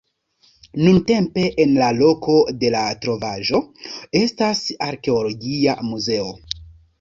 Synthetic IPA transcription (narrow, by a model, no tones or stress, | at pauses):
nunte̞mpe̞ʔenlalo̞kʰo̞de̞latɾo̞vaʒo̞e̞stasaɾke̞olo̞ɡia̰muze̞o̞